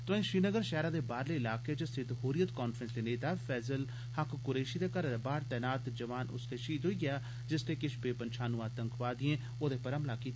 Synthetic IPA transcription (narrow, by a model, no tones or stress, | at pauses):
t̪ʊ̃ĩːʃɾiːnəɡəɾʃɛːɾaːd̪eːbaːɾleːɪlaːkeːt͡ʃəst̪ʰɪt̪ɦoːɾijət̪kɔːnfʰɾə̃nsd̪eːneːt̪aːpʰɛːzəl | həkkʊɾeːʃiːd̪eːkəɾːd̪ebaːɾt̪ɛːnaːt̪d͡ʒəʋaːnʔʊ̰st̪eːʃiːt̪ɦoiːɡɪjaː | d͡ʒɪst̪eːkɪʃbeːpənʃʰaːnũːaːt̪əŋkʋaːd̪ɪẽː | oːd̪eːpəɾəmlaːkiːt̪